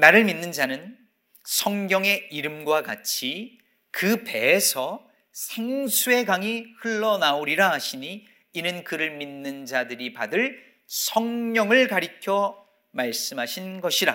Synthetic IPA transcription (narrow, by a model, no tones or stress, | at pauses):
naɾɯɭminːɯnd͡ʑanɯn | sʰʌŋɡjʌŋe̞iɾɯmɡwakat͡ɕʰi | kɯpe̞ːsʰʌ | sʰeŋsʰue̞kaŋihɯɭːʌnaoɾiɾaɦaɕʰiɲiː | nɯnkɯɾɯɭminːɯnd͡ʑadɯɾipadɯɭ | sʰʌŋɲʌŋɯɭkaɾikʰjʌ | maɭs͈ɯmɦaɕʰinɡʌɕʰiɾa̰